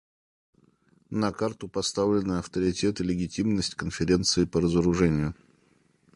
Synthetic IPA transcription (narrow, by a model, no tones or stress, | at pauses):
nɐkart̪ʊpɐst̪avlʲɪnɨɐft̪əɾʲɪtʲe̞t̪ɨlʲɪɡʲɪtʲimnəsʲtʲkənfʲɪɾʲe̞nt̪sɨɪpəɾəzəɾʊʐɛnʲɪjʊ